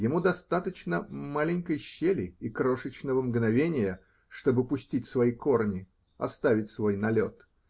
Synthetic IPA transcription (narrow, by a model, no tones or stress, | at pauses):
jɪmud̪ɐst̪at̪ət͡ɕnəmalʲɪnʲkəjɕːelʲɪikɾo̞ʂət͡ɕnəvəmɡnɐvʲenʲɪjə | ʂt̪o̞bɨpʊsʲtʲitʲsvɐiko̞rnʲɪ | ɐ̰st̪avʲɪtʲsvo̞jnɐlʲo̞t̪